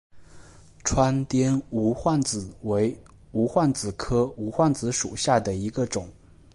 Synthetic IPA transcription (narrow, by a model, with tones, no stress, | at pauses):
ʈ͡ʂʰwa˥nt̪jɛ˥nu˧˥xwa˥˩nt͡sɹ̩˨˩we˧˥ɪ | u˧˥xwa˥˩nt͡sɹ̩˨˩kʰɤ˥u˧˥xwa˥˩nt͡sɹ̩˧˥ʂṵ˨˩ɕja˥˩d̪ə˩i˧˥ɡə˧ʈ͡ʂʊ˨˩˦ŋ